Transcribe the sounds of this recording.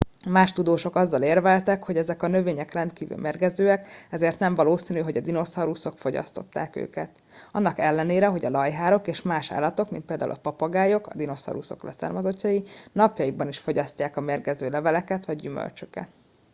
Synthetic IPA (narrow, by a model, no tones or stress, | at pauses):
maːʃt̪ud̪oːʃo̞kɒzːɒleːrvɛlt̪ɛkho̞ɟɛzɛkɒnø̞veːɲɛkrɛnt̪kiːvy̰lmʔeːrɡɛzøːɛkɛzeːrt̪nɛɱvɒloːsiːnyɦo̞ɟɒd̪ino̞sɒɾuso̞kfo̞ɟɒ̰st̪o̞̰t̪ːa̰ːkø̰ːkɛt̪ | ɒnːɒkɛlːɛneːɾɛɦo̞ɟɒlɒjɦaːɾo̞keːʃmaːʃa̰ːlːɒt̪o̞kmin̚peːld̪a̰ːṵlɒpɒpɒɡaːjo̞kɒ̰d̪ino̞sɒ̰ɾuso̞̰klɛ̰sa̰ːrmɒzo̞cːɒjinɒpjɒjibɒniʃfo̞ɟɒscaːkɒmeːrɡɛzøːlɛvɛlɛkɛt̪ʋɒɟːymø̰lt͡ʃø̥kɛ̰t̪